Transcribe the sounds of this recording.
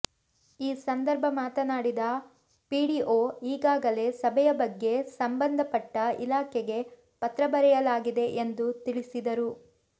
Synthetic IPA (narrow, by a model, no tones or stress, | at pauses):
iːsɐnd̪ɐɾbʱɐmaːt̪ɐnaːɽid̪ɐ | piːɽiʔoːiːɡaːɡɐle̞ːsɐbʱɛjɐbɐɡːe̞sɐmbɐnd̪ʱɐpɐʈːɐḭlaːkʰɛɡe̞ | pɐt̪ɾɐbɐɾɛjɐlaːɡid̪eʔend̪ut̪iɭisid̪ɐɾu